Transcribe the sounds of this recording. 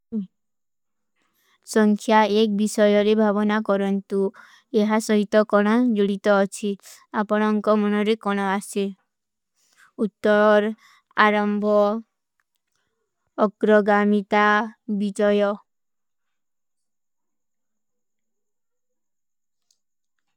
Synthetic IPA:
sɔŋkʰjaek̚bisɔjɔɾebʱabɔnakɔɾɔnt̪u | eɦasɔɦit̪ɔkɔɽ̃ad͡ʒuɽit̪ɔːt͡ʃʰiapɔɽ̃ɔŋkɔmɔnɔɾekɔɽ̃ɔase | ut̪ːɔɾɔɾ | a̰ɾɔmbʱɔ | ɡɾɔɡamit̪abid͡ʒɔjɔ

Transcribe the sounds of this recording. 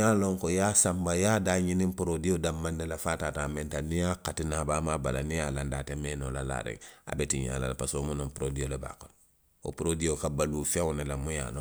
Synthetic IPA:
alõŋkojaːsãmbajaːdaːɲinĩmpuɾodijodamːãnːelafaːtaːtaːmɛ̃ntanijakatinaːbaːmaːbalanijaːlandaːtemeːnoːlala̰ːɾɛ̰ŋa̰betiɲa̰ːla̰lapasomunõmpuɾodioleba̰ːkɔnɔ | o̰puɾodijokabaluːfewnelamũja̰ːnõ

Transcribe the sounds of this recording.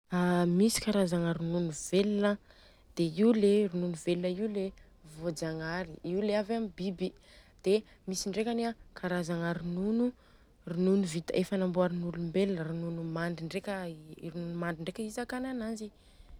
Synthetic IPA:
amisi̥kaɾazaŋaɾununuvelinə | d̪̥eiuleɾinunuvelinəiwle | vod͡zaŋaɾiiwleavamibibi | d̪̥emisiɳɖ͡ʐekʲaniakʰaɾazaŋaɾinunu | rinunuvit̪əʔefənamboaɾinulumbelinəɾinunumaɳɖ͡ʐiɳɖ͡ʐekʲəiɾinunumaɳɖ͡ʐiɳɖ͡ʐekʲəizakananazi

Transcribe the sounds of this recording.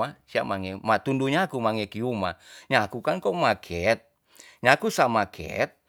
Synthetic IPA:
asia̰maŋɛmat̪unduɲakumaŋɛkiumaɲakukankɔmakʰɛt̪̚ | ɲakusamakʰɛ̰t̪̚

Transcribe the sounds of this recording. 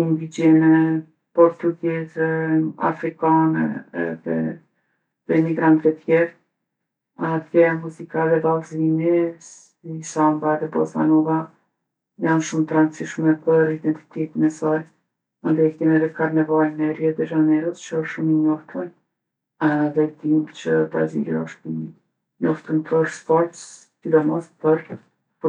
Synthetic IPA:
ŋɡid͡ʒɛnɛ | pɔɾt̪uɡɛzɛa̰fɾikanɛ̰ɛ̰ðɛ̰ | ðɛmiɡɾant̪vɛt̪jɛɾ | at̪jɛmuzikaɛðɛbalzinis | isambaɛðɛbɔ̰sa̰nɔva | janʃumt̪ɾant͡siʃmɛpəɾid̪ɛnt̪i̥t̪ɛt̪inɛsaɾ | and̪ɛk̪ɛnɛɾɛkaɾnɛvalənɛrjɛt̪ɛʒanɛɾəst͡ʃəəʃʃumiɲɔft̪ʰɔj | ðɛd̪imt͡ɕəpɾa̰zḭɾiɔʃt̪imi | ɲɔft̪ənpʰəɾspɔɾt̪s | sid̪ɔmɔspəɾ | p

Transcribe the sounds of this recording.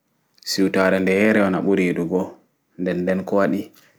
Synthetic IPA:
siwtaːɾɛndɛhɛɾɛɔna̰ɓuɾiɗuɡɔ | ndɛnːdɛnkɔwaɗi

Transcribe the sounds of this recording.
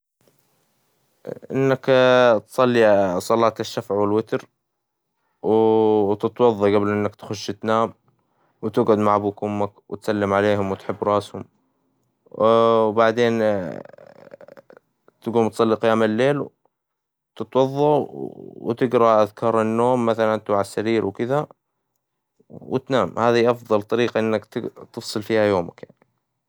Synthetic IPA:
ʔɪ̰nːakt̪sˤɑlːisˤɑlɑːt̪ɪʃːafʕwɪlwɪt̪ɾ | wt̪ɪt̪wɑðˤːɑɡablʔɪnːakt̪xʊʃːɪt̪naːm | wt̪ɪɡʕʊd̪maʕabukʊmːakwɪt̪salːɪmʕaleːɦʊmwɪt̪ħɪbːɾˤɑːshʊm | wbaʕd̪eːn | t̪ɡuːmt̪sˤɑlːiqɪjaːmɪlːeːl | t̪ɪt̪wɑðˤːɑwt̪ɪɡɾˤɑʔaðkʰɑːɾˤɪnːoːmːaθalant̪uʕasːaɾiːɾwkɪða | wɪ̰t̪naːmhaːðiʔɑfðˤɑlt̪ˤɑɾiːqɑʔɪnːakt̪t̪ɨfsˤɨlfiːhajoːmakjaʕni

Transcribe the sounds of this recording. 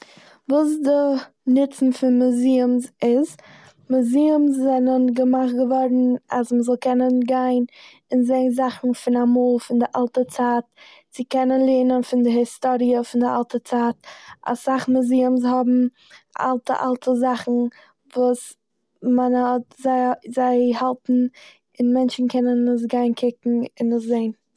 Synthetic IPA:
vuːsdɪ | nɪt͡sn̩fɪnmʊziɪmsɪz | mʊziʊmszɛnənɡəmaχ̚ɡəvɔɾn̩a̰sməzɔlˠkɛnənɡaɪn | ɪnzeɪnzaχn̩fɪnamoːlˠfɪndɪʔalˠtət͡saːt̚t͡sɪkɛnənlˠiːnənfɪndɪɦɪstoɾiəfɪndɪalˠtət͡saːta̰saχmɪziəmshɔbm̩ | ʔa̰lˠtə̰ʔa̰lˠtʰəzaχn̩ | vuːs | manhɔtzaɪzaɪhalˠtn̩ | ɪnmɛnt͡ʃn̩kʰɛnənɪs̬ɡaɪnkʰɪkŋ̩ɪnɪszeɪn

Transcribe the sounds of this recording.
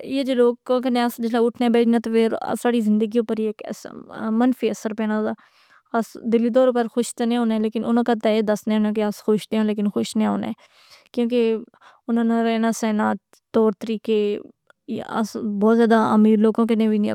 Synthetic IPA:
jeːd͡ʒoloːkːk̬ənẽəsd͡ʒɪslaʊʈʰnẽːbeːd͡ʒnaːt̪oːfeɾ̰saːɽiːzɪ̃nd̪əɡiːõːpəɾieːkə̰smənfiːəsəɾpeːnãd̪aː | əsd̪ɪlːiːd̪ɔːɾpəɾxʊʃt̪enẽːɦõːneːleːkɪnʔʊnãːkaːt̪ɛeːd̪əsnẽːoːnẽk̬easxʊʃd̪eːãːleːk̬ɪnxʊʃnẽɦõ̰ːnḛ̃ː | kjõːk̬e | ʊnãːnãɾɛːnaːsɛːnaː | t̪ɔːɾt̪əɾiːkeː | ə̰sbɔːt̪zjaːd̪aːəmiːɾloːɡõːkənẽːʋin̰

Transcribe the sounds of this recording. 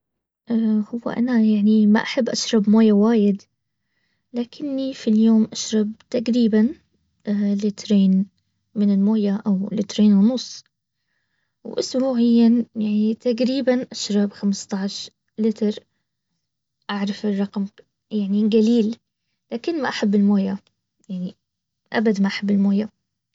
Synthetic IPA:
ʔahʊwːa̰ʔa̰najaʕnima̰ʔaħabːʔaʃɾˤɑbmoːjawaːjɪd̪ | laːkʰɪnːifiljoːmʔaʃɾˤɑb̚t̪aqɾiːban | lɪt̪ɾeːn | mɪnɪlmoːjaʔawlɪ̰t̪ɾeːnwnʊsˤː | wʔʊ̰sbuːʕɪjːanjaʕnit̪aɡɾiːbanʔaʃɾˤɑbxamɪst̪ˤɑʕʃ | lɪt̪ɾˤ | ʔaʕɾˤɑfɪrˤːɑqm | jaʕniɡaliːl | laːkɪnːmaʔaħabːɪlmoːja | jaʕni | ʔabad̪maʔaħabːɪlmoːja

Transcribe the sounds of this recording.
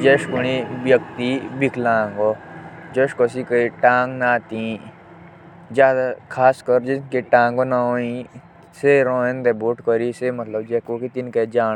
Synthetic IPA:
d͡ʒeʃkuɽ̃iʋjɐk̚t̪ibikʰlãːŋɡod͡ʒɐʃkos̬ikəiʈãːŋɡnaːt̪ĩ | d͡ʒjaːd̪akʰaːskəɾd͡ʒiskiʈãːŋɡonaɦõĩ | seɾɔ̃ːẽnd̪eboʈkəɾisemɐt̪ləbd͡ʒekoːkit̪inked͡ʒaː

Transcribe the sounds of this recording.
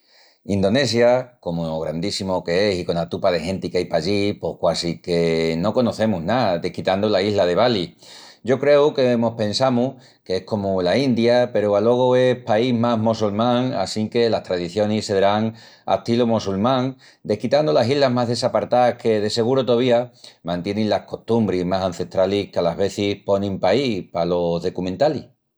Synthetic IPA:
ind̪o̞ne̞s̬jako̞moɣɾand̪isimo̞ke̞e̞siko̞nat̪upaðe̞xẽ̞nt̪ikajpaʎipo̞hkwasike̞no̞ko̞no̞θe̞muɦnaðe̞hkit̪and̪olaiɦlað̞e̞β̞aliɟ͡ʝo̞kɾe̞uke̞mo̞hpẽ̞nsamuh | keehko̞mulaind̪jape̞ɾoalo̞ɣ̞oe̞paiɦmaɦmosulmãŋa̰siŋke̞laht̪ɾaðiθjo̞niseðɾaŋa̰t̪ilomosulmãŋ | d̪e̞hkit̪and̪olasiɦlaɦmaɦðe̞sapaɾt̪ahke̞ð̞e̞se̞ɣ̞uɾot̪oβ̞iamãnt̪je̞nẽnlahko̞ht̪umbɾizmasãn̟θe̞ht̪ɾalihkealaβe̞θihpo̞nĩmpaipalo̞zðo̞kumẽnt̪ali

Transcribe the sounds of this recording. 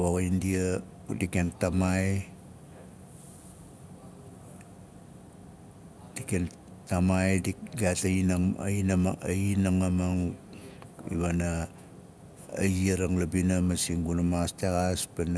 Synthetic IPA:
waɣaindia | udikentamaj | d̥iken | tamajdiɡataininmainaŋamaŋ | ḭβana | aɾaŋlabinamasiŋɡunamastaɣaspan

